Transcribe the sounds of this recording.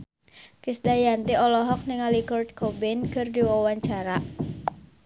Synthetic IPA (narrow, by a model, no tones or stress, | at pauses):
kisdajant̪iɔlɔɦɔk̚nɪŋalikɔrt̪̚kʰobɪnkərdiwawaɲt͡ʃaɾaʔ